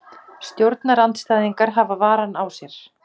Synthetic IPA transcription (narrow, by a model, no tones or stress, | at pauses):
st̪jowɾt̪naɾant̪st̪aːjðiŋkaɾɦaːvavaːɾanawsjɛɾ̥